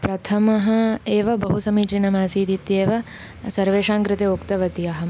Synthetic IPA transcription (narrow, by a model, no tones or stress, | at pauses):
pɾɐt̪ʰɐmɐɦɐ̆eːʋɐbɐɦusɐmit͡ʃinɐmaːsiːd̪ʱit̪jeːʋɐ | sɐɾʋeːʃaːŋkɾɪt̪eːokt̪ɐʋɐt̪iɐɦɐ